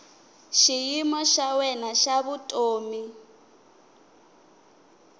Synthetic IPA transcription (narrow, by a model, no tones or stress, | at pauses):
ʃijimɔʃawɛnaʃaβutʼoːmi